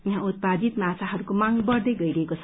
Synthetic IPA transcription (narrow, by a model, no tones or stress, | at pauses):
jaɦãut̪̚pad̪it̪mãt͡sʰaɦʌɾukomãŋɡbʌrd̪ʌjɡʌjɾʌɦekot͡sʰʌ